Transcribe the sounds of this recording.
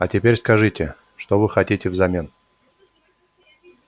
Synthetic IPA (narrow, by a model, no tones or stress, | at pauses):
ɐtʲɪpʲeɾʲskɐʐɨtʲɪ | ʂt̪ovɨxɐtʲitʲɪvzɐmʲe̞n